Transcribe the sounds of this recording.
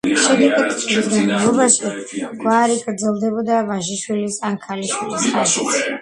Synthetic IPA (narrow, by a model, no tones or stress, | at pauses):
ʃɛd̪ɛkʼɛt̪ʼt͡ʃʼɾizɡanalɔbaʃiɡ̥waːɾiɡʼɾd̪zɛlˠd̪ɛbɔd̪avaʒiʃwilisankʰaliʃwilisqʼaʃis